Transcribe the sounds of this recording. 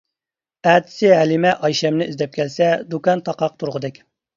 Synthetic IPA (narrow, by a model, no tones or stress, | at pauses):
æːt̪ʰɪ̥sɪɦælɪmɛʔɑjʃɛmnɪʔizd̪ɛp̚kʲʰɛlsɛd̪ukɑnt̪ʰɑqɑq̚t̪ʰuɾʁəd̪ɪkʲ